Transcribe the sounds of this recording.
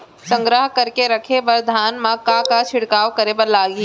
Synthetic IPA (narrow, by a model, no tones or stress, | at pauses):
sə̃ŋɡɾəɦkɐɾkeɾɐkʰeʋɐɾd̪ʱaːnmãkakat͡ʃʰɪɽkaːʋkɐɾebɐɾlaːɡi